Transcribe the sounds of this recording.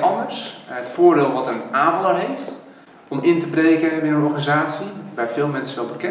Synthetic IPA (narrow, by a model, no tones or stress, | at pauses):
ɔndərsətfoːrdeːlˠʋɔtənaːvəlˠərɦeːft | ɔmɪntəbreːkəbɪnənɔrxanizaːsjibɛjfɪːlˠmɛnsəʋɛlˠbəkɛ